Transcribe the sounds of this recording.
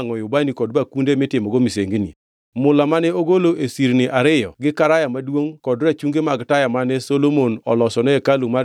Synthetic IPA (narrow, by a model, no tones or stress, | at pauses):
ŋɔjʊbanikɔd̚bakundemɪtɪmɔɡomiseŋɡinḭ | mʊlamanɛoɡoloʔesiɾnɪʔaɾɪjɔɡɪkaɾajamadwoŋkɔdrat͡ʃuŋɡemaɡtajamanɛsolomonɔ̰lɔsɔnɛɛkaluma